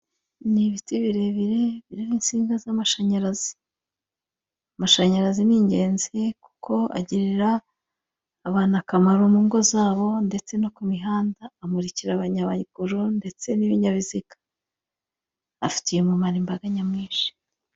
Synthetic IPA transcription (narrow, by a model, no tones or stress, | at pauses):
niβitiβiɾe̞βiɾe̞βiɾiɾiːnsiːŋɡazamaʃaɲaɾazi̥ | amaʃaɲaɾaziniːɲɟe̞ːnzeku̥kʰo̞a̰ɟiɾiɾaː | βaːnakamaɾomuːŋɡo̞zaːβo̞nde̞t͡se̞no̞kumiɦaːndaːmuɾiciɾaβaɲaβaikuɾunde̞t͡se̞niβiɲaβizikḁ | fi̥tije̞mumaɾimbaɡaɲamŋiːnʃi̥